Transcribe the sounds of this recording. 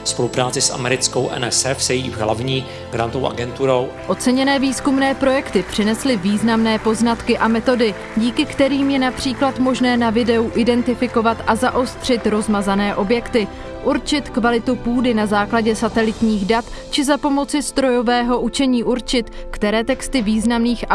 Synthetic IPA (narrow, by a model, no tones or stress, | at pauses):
spolupɾaːt͡sɪsʔa̰mɛɾɪt͡skowʔɛ̰nɛsɛfsɛjiːvɦla̰vɲiː | ɡ̥ɾant̪owʔa̰ɡɛnt̪uɾow | ʔo̞t͡sɛɲɛnɛːviːskumnɛːpɾo̞jɛkt̪ɪpr̝̥ɪnɛslɪviːznamnɛːpo̞znat̪kɪʔamɛt̪o̞dɪ | ɟiːkɪkt̪ɛɾiːmjɛnapr̝̥iːklat̪mo̞ʒnɛːnavɪdɛuʔɪdɛnt̪ɪfɪko̞vat̪ʔazaʔo̞st̪r̝̥ɪt̪ɾo̞zmazanɛːʔo̞bjɛkt̪ɪ | ʔuɾt͡ʃɪt̪kvalɪt̪upuːdɪnazaːklaɟɛsat̪ɛlɪt̪ɲiːɣdat̪ | t͡ʃɪzapo̞mo̞t͡sɪst̪ɾo̞jo̞vɛːɦo̞ʔut͡ʃɛɲiːʔuɾt͡ʃɪt̪ | kt̪ɛɾɛːt̪ɛkst̪ɪviːznamniːxa